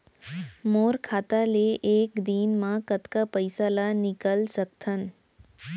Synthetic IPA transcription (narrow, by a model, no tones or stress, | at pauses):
moɾkʰat̪aleʔekd̪iːnmãkət̪kapəjsalanɪkəlsək̚t̪ʰən